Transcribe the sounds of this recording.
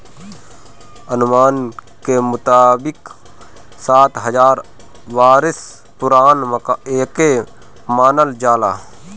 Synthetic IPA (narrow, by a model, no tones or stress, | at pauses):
ənmaːn | kemʊt̪aːbɪk | saːt̪ɦəd͡ʒaːɾ | ʋaːɾɪs | pʊɾaːnmkeːke | maːnəld͡ʒaːla̰ː